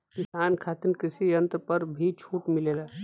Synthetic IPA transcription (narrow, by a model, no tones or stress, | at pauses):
kɪsaːnkʰaːt̪ənkɾɪsijɐ̃nt̪pɐɾbʱit͡ʃʰuːʈmɪleːla